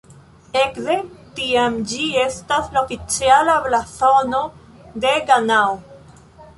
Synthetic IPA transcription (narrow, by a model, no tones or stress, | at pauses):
e̞kdetiamd͡ʒie̞staslaofit͡sialablaθono̞ | de̞ɡanao